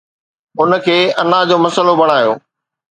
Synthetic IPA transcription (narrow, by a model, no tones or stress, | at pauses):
ʊnə̆kʰeːɐnad͡ʑoːmɐsəlobɐɽ̤̃aːjo̰ː